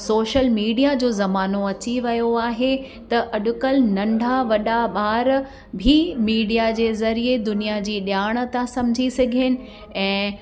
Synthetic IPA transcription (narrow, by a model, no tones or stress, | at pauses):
soːʃəlmiːɖijad͡ʑoːzɐmaːnoɐt͡ɕiʋɐjoaːɦe | t̪ɐʔɐɗʊkəlnɐ̃ɳɖʱaʋɐɗaɓaːɾ | bʱimiːɖijad͡ʑeːzɐɾied̪ʊnijad͡ʑiːɗjaːɽ̃ə̆t̪ãsɐ̃mɪd͡ʑʱisɐɡʱənɪ̆ | ɛ̃ː